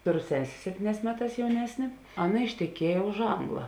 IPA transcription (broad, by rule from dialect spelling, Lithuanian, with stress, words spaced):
ˈtoːˌroː ˈsʲæːsʲeː ˈsʲæːpʲtʲiːˌnʲɛːs ˈmʲæːˌtɑːs jɛʊˈnʲæːsʲnʲeː ˈɑːˌnɐ ɪʃʲtʲɛˈkʲiɛjɛ ʊʃ ˈɐŋɡlˠɐ